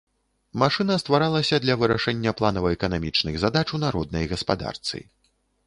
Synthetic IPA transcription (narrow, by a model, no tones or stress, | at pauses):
maʂɨnɐst̪vaɾalˠɐsʲɐd̪lʲɐvɨɾaʂɛnʲːɐplˠanɐvɐɛkɐnamʲit͡ʂnɨɣzad̪at͡ʂunaɾɔd̪̚nɐjɣɐspa̰d̪a̰rt̪sɨ̰